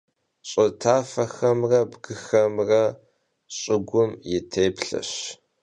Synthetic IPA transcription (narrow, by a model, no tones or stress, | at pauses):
ɕʼɪtʰaːfɐxɐmrɐbɡɨxɐmrɐ | ɕʼɪɡʷʊmjɪtʰeːpɬɐ̰ɕ